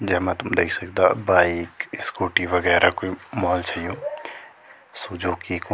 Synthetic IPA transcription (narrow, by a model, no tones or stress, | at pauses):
d͡ʒɛɦmɛ̃t̪ʊmd̪eːkʰsɐkd̪abaːikskoːʈiʋɐɣɛːɾakoimɔːlt͡ʃaijoː | sud͡ʒoːkik